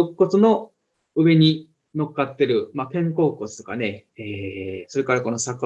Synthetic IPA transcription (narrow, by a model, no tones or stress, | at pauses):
okːo̞t͡sɨno̞ | ɯ̟be̞ɲ̟i | no̞kːat̪ːe̞ɾɯ̟map̪ẽ̞ŋko̞ːko̞t͡sɨ̥t̪o̞̥ka̰ne̞eːso̞ɾe̞kaɾako̞no̞sakːa